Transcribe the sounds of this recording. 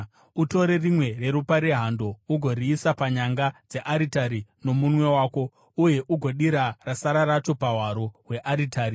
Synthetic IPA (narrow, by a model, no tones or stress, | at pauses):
uto̞ɾe̞rimwe̞re̞ɾupaɾeɦando̞uɡʱo̞riːsapaɲaŋɡad͡ze̞ʔaɾitaɾino̞munwe̞waːko̞ | uje̞ʔuɡʱo̞ɗiɾarasaɾaɾat͡ʃo̞pawaɾoɦwe̞ʔaɾitaːɾi